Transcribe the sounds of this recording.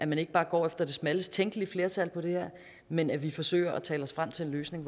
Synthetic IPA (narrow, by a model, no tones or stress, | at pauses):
ʔæmæne̝ɡ̥b̥ɑ̈ːɡ̥ɒ̰ːefd̥ɐd̥e̝smæləst͡sʰeŋ̰ɡ̥əliəfle̝ɐt͡sʰælpʰɒ̽ɾ̥e̝heɐ̰ | menæʋifɒ̽sø̰ːɪɐʔɒt͡sʰɛːlɒ̽sfʁam̰t͡sʰe̝e̝nløːsne̝ŋ